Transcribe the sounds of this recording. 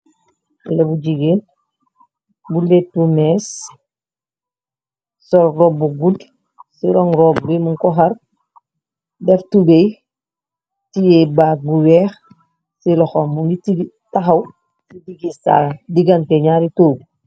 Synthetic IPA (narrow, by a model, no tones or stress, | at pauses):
lebud͡ʒiɡen | buletːumes | sɔlrobuɡud | siɾoŋɾob̚ɡimuŋkɔɦaɾ | beftubej | tijebaːbuwɛːx | silɔxomuɡitiɡ | taxaw | sidiɡisa̰diɡanteɲaːɾitoːɡ̚